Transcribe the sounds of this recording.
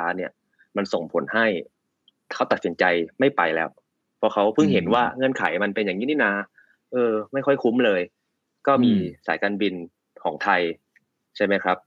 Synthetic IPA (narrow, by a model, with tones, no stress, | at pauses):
aː˦˥ni˥˩ | ma˧nso˨˩ŋpʰo˩˦nha˥˩j | kʰa˦˥wt̪a˨˩t̪̚si˩˦nt͡ɕa˧jma˥˩jpa˧jlɛː˦˥w | pʰɔː˧kʰa˦˥wpʰɯ˥˩ŋɦe˩˦nwaː˥˩ŋɤ˧˨nkʰa˩˦jma˧npe˧njaː˨˩ŋːiː˦˥ni˥˩naː˧ | ʔɤː˧ma˥˩jxʰɔ˥˩jkʰu˦˥mlɤː˧j | kɔː˥˩miː˧sa̰ː˩˦jkaː˧nbi˧n | kʰɔː˩˦ŋt̪ʰa˧j | t͡ɕʰa˥˩jma˦˥jkʰɾa˦˥p̚